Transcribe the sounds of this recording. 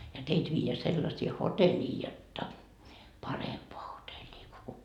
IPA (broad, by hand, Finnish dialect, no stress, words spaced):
jɑ teit ʋiːjeæ selːɑsiː hotelʲiː jotːɑ pɑrempoɑ hotelʲiː ko